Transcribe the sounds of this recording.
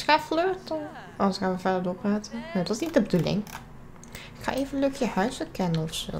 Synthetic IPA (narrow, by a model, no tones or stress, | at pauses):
xaːfløːtə | ɔsxaːməvɛdədokʋaːtənoːdɔtɪsnit̚dəbədulɪ̰ŋ | ɪkxa̰ːʔeːvənløkjəhœɥsəkɛnəɔfso̰ː